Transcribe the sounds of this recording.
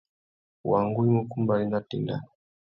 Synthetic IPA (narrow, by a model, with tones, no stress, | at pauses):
wa˨ŋɡu˦i˦mu˦ku˦mba˨li˦na˦tḭ˨nda̰˨n